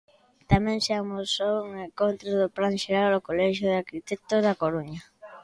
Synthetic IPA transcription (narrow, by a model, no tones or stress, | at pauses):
t̪amɛ̃ŋseamosowuŋeŋkont̪ɾoðʊplanʃeɾalokolɛʃoðakit̪et̪oðakoɾuɲa